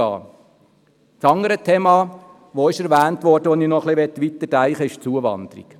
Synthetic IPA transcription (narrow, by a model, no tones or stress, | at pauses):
ɑ̰ː | t͡sɑŋəɾətʰeːmɑː | ʋoɪʃɛɾʋæːntʋɔɾd̥əʋɔniːnɔχlɪʋɛt̪ːʋit̪ədæɪχəɪʃt͡suəʋɑ̰nd̪̥əɾḭk